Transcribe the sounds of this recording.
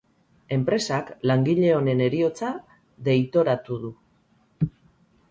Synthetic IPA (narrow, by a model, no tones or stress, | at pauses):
e̞mpɾe̞saklaŋɡiʎe̞o̞ne̞ne̞ɾio̞t͡sa | ðe̞jt̪o̞ɾat̪uð̞u